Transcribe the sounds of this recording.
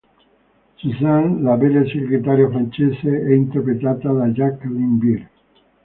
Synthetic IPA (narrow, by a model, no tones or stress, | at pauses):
sisanlabeleseɡɾet̪aɾjafɾant͡ʃeːseɛint̪erpɾet̪aːt̪ad̪ad͡ʒakːlimbiɾ